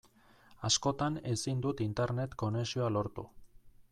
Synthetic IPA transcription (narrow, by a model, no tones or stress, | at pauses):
asko̞t̪ane̞sind̪ut̪int̪eɾne̞t̪ko̞ne̞sioalo̞ɾt̪ṵ